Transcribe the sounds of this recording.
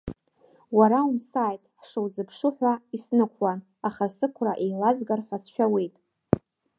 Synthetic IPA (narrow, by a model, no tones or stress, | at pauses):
waɾaumsaːjtʼħʂowzɨpʰʂɨħʷᶣaisnɨkʷʰwan | aχasɨkʷʰraʔejlazɡarħʷasʃᶣawe̞jtʼ